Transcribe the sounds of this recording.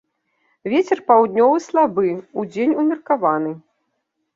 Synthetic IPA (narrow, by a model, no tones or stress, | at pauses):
vʲet͡sʲɛrpawd̪ʲnʲɔvɨslˠabɨud͡zʲenʲumʲirkavan̪ɨ